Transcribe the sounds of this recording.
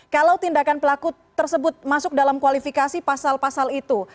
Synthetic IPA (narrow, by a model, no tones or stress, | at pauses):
kalawt̪indakanpəlaku | t̪ːərsəbʊt̪̚masʊk̚dalamkwalifikasipasalpasalit̪u